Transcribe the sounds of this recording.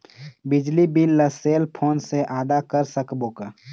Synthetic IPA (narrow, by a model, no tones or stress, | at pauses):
bɪd͡ʒlibilːəseːlpʰoːnseʔaːd̪akəɾsəkboːka